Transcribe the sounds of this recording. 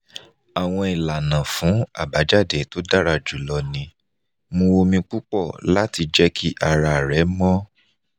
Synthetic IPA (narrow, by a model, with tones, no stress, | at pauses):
a˨w̃ɔ̃˧i˨la˨nã˨fũ˨˦a̰˦˨ba˨˦d͡ʒa˦˨de˨˦to˦da˦˨ɾa˧˨d͡ʒu˨˦lɔ˧nĩ˧ | mũ˧wo˧mĩ˧k͡pu˦k͡pɔ˦˨la˦ti˧d͡ʒɛ˦kʰi˦ʔa˨ɾa˧˨ɾɛ˨˦mɔ̃˦